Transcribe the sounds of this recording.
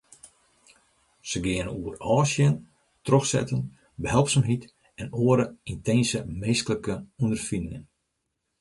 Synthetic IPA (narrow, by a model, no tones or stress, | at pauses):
səɡɪənuərɔːsjən | troxsɛ̰tən | bəɦɛlˠpsəmɦit | ɛnoəɾəintʰensəmeːstələkəundərfinɪŋən